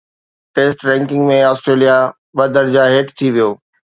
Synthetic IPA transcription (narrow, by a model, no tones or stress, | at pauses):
ʈeːsʈɾɛ̃ːŋkɪ̃ŋɡmẽɔːsʈɾeːlija | ʋɐd̪əɾd͡ʑaɦeːʈt̪ʰiʋijoː